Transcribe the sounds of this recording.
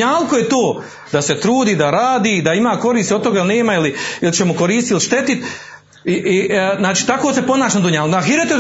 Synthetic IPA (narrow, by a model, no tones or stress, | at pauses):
aːlˠkojet̪oː | d̪ase̞t̪ɾuːd̪iːd̪aɾaːd̪iːd̪aimaːko̞ɾiːst̪iot̪t̪o̞ɡailne̞ːmailiilt͡ʃemokoɾiːst̪iliʃt̪e̞t̪it̪ | iʔiznaːt͡ʃi̥ːt̪akoːsepo̞naːʃnod̪uɲaːlkaɦiɾet̪e